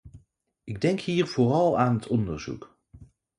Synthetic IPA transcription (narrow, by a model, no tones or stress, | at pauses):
ɪɡ̚dɛŋkɦiːɹv̥oːrɑlˠaːnɦətɔndəɹzṵk